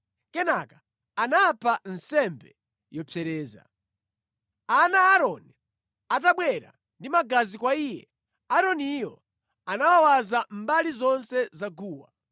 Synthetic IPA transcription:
kɛnakḁ | anapʰan̩sɛmbɛ | jɔpʰɛɾɛːza̰ | anaːɾɔni | at̬aɓwɛɾa̰ | ndimaɡazikwaiːjɛ̰ | aɾɔnijɔ̰ | anawawazambalizɔnsɛzaɡuːwa̰

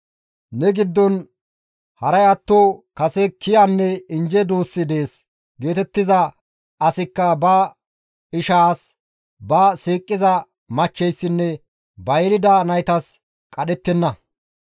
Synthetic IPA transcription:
nɛɡɪd̪ːɔn | hɐɾɐjɐt̪ːoːkɐsɛkʰːɪjanːɛɪnd͡ʒɛd̪uːsːɪd̪eːs | ɡe̞ːt̪ɛt̪ːɪzɐ | ɐsɪkːɐbɐ | ɪʃaːs | bɐsiːkʼːɪzɐ | mɐt͡ʃːɛjsːɪnːɛ | bɐjɾɪd̪ɐnɐjt̪ɐs | kʼɐɗɛt̪ːɛnːɐ

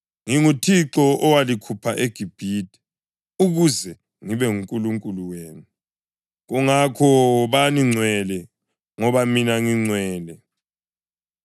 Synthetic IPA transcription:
ŋiŋutʰiǁɔʔɔwalikʰupʰaʔeɡ̥ʱib̥ʱiːtʰʼi̥ | uɣuzɛ | ŋiβɛŋuŋkʼuluŋkʼuluweːnu | ɣuŋakʰɔβaniŋ͡ǀʱwɛlɛ | ŋɔβaminaŋiŋ͡ǀʱwɛːlɛ

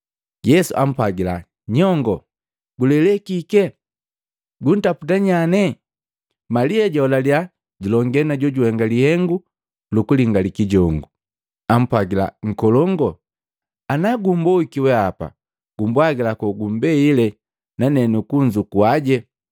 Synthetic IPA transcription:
jɛsuʔa̰m̩pwaɡila | ɲɔŋɡɔ | ɡulɛlɛkikɛ | ɡun̩taputaɲanɛ | maliaɟɔlalja | ɟulɔŋɡɛnaɟɔɟuhɛŋɡalihɛŋɡu | lukuliŋɡalikiɟɔŋɡu | am̩pwaɡila̰ŋ̩kɔlɔŋɡɔ | anaɡumbɔikiwɛapa̰ | ɡ̥umbwaɡilakɔɡum̩bɛilɛ | nanɛnukuɲd͡ʒukuaɟɛ

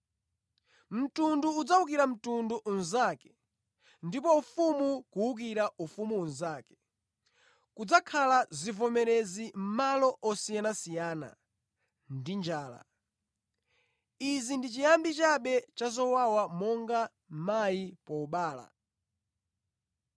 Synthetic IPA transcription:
m̩tunduːd͡zauk̬iɾam̩tunduʔunzakɛ̥ | ndipɔufumukuuk̬iɾaʔufumunzaːkɛ̥ | kud͡zakʰalazivɔmɛɾɛzim̩malɔʔɔsijanasijaːna̰ | ndind͡ʒaːla̰ | izindit͡ʃijambit͡ʃaɓɛt͡ʃazɔwawamɔŋɡa | majipɔuɓaːla̰

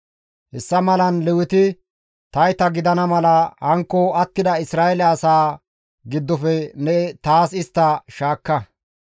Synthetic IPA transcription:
hɛsːɐmɐlɐnlɛwɪt̪ɪ | t̪ɐjt̪ɐɡɪd̪ɐnɐmɐlɐhɐŋkːɔɐt̪ːɪd̪ɐɪsɾaːɛlɐːsaː | ɡɪd̪ːɔfɛnɛt̪aːsɪst̪ːɐʃaːkːɐ

